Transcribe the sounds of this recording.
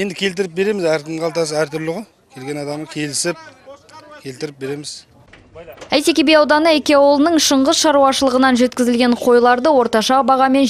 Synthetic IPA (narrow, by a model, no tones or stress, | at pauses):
je̞nd̪ɪkʲʰe̞lt̪̬ɪɾɪp̚be̞ɾe̞mɪzæɾt̪ʰəɴɑlˠt̪ɑsəæɾt̪ʰʏɾlɪʁolˠ | kʲʰe̞lɡʲe̞nɑd̪ɑməkʲʰe̞lɪsɪp̚ | kʲʰe̞lt̪ɪɾɪp̚be̞ɾe̞mɪz | æjt̪e̞kʲebejɑwd̪ɑnəekʲeɑwolˠnəɴʃəɴʁəzʃɑɾuwɑʃəlˠəʁənɑnʒe̞t̪kʲɪzɪlɡʲe̞ɴqʰo̞jlˠɑɾd̪əwo̞ɾt̪ɑʃɑbɑʁɑme̞n